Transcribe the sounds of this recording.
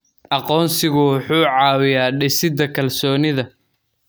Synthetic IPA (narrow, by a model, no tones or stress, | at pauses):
ʔɑqɔːnsɪɣʊwʊħuːʕɑːwɪjaːɖɪsɪd̪ɐkʰɐlsɔːnɪðɐ